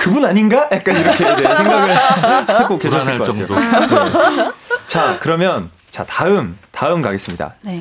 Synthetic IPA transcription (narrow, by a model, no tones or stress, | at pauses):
kɯbunaɲinɡajak̚k͈aniɾʌkkʰesʰeŋɡaɡɯɭkʰs͈ʰɯk͈ʰokeʌsɯɭkʌa | t͡ɕakɯɾʌmjʌn | t͡ɕa̰taɯmtaɯmkaɡe̞s͈ɯmɲida̰